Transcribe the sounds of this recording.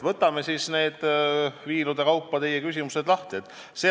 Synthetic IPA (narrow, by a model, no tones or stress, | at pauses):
vɤt̪ːˑɑme̞sisne̞ːd̪̥viːlud̪̥e̞kɑwpːɑt̪e̞jekysʲimuse̞d̪lɑht̪iet̪ːˑ | seː